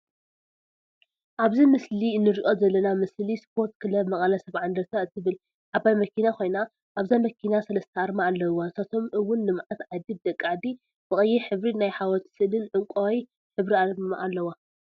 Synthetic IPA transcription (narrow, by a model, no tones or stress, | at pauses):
ʔaβzimɨslinːɨɾiʔo̞zɐlːɐnamɨslispʰo̞ɾt̪kʰɨlɐbmɐkʼɐlɐsɐβʕand̪ɐɾt̪ʰaɨt̪ʰːɨβɨl | ʕaβajmɐkʰinako̞jna | ʔaβzajmɐkʰinasɐlɐst̪ʰɐʔaɾmaːlːɐwːasɐt̪ʰo̞mʔɨwːʊnːɨmʕat̪ʕad̪ib̚d̪ɐkʼːaʕd̪i | b̥ɨχʼɨjːɛħɨβɾinajħawɔt̪sɨlɨnʕɨŋkʷʼowj | ħɨβɾiamaʔalːɐwa